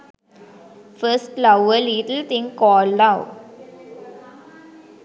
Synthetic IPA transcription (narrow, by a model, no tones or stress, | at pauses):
fəsʈlaʊəliʈəlt̪ĩŋkɔːld̪aʊ